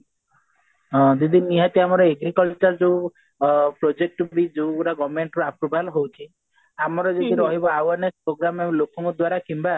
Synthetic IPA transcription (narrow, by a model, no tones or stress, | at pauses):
ɦɔ̃d͡ʒid̪iniɦat̪iamɔɾɔeɡɾikɔlt͡ʃɔɾd͡ʒew | pɾod͡ʒek̚ʈbid͡ʒewuɾaɡɔmeɳʈɾuapɾubʱalɔɦowt͡ʃʰi | amɔɾɔd͡ʒed̪iɾɔɦibɔawaɾnespɾoɡɾamebɔlokʰɔŋkɔd̪waɾakimba